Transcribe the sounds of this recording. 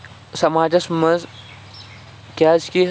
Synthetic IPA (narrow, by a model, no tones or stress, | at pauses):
sɐmaːd͡ʒɐsmɐz | kʲaːzki